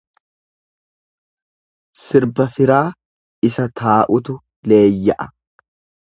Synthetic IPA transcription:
sɪɾbɐfɪɾaː | ɪsɐt̪ʰaːʔʊt̪ʊ | le̞ːjːɐʔɐ̥

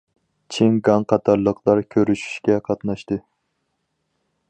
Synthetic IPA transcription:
t͡ʃʰeŋɡɑŋqʰɑt̪ʰɑɾlˠəqʰlˠɑɾkʲʰøɾyʃy̥ʃkʲɛqʰɑt̪nɑʃt̪ɨ

